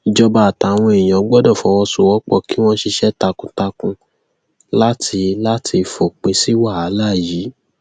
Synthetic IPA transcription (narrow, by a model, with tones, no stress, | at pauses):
i˧d͡ʒɔ˧ba˧a˨ta˨w̃ɔ̃˧e˨j̃ã˨˦ɡ͡bɔ˦dɔ̃˦˨fɔ˨˦wɔ̃˧su˨wɔ˦k͡pɔ˦˧˨ki˦w̃ɔ̃˦ʃi˧ʃɛ˦ta˧kũ˧ta˧kũ˧ | la˦tʰi˧la˦tʰi˧fɔ˨k͡pĩ˨˦si˦wa˦˨a˨˦la˦˨ji˨˦